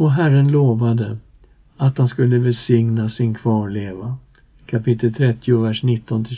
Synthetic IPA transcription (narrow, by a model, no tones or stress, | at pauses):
ɔɦæɾːənloːvad̪ə | at̪hanskɵlːəvɛlsɪŋnasɪnkʰvɑːɾɭeːva | kʰapɪt̪ːəlt̪ʰɾɛt̪ːɪʊvæʂnɪt̪ːɔnt̪ʰɪ